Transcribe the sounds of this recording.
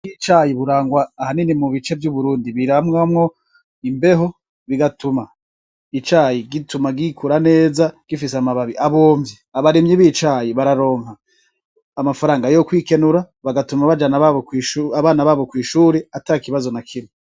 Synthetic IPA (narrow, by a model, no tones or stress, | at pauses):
ɡit͡ʃajiβuɾaːŋɡwaːhaninimuβit͡ʃe̞vjuβuɾuːndiβiɾamŋamŋo̞ | imbe̞ɦo | βiɡatuma | it͡ʃaːjiɡitumaɡikʰuɾane̞ːzaɡ̥ifiseamaβaβiʔaβoːmiaβaɾemɲiβit͡ʃajiβaɾaɾo̞ːŋhaː | mafaɾaːŋɡajokwiːke̞nuɾa | βaɡatumaβad͡ʒanaβaβokwiʃaβaːnaβaβo̞kwiːʃuːɾeatakiβazo̞nakʰinu